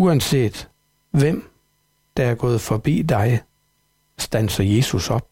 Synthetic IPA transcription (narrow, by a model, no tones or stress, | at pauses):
uænse̝̰ːd̥ | ʋem̰ | d̥ɑ̈æɐɡ̥ɔ̽ːð̞̩ˠfɒ̽b̥ḭːd̥ɑ̈ɪ | sd̥ænsɐje̝ːsusɒ̽b̥̚